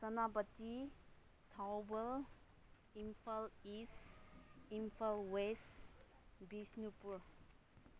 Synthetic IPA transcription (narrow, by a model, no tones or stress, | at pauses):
sənabətːi | tʰawbəl | impʰalis | imfʰalwes | bisnupuɾ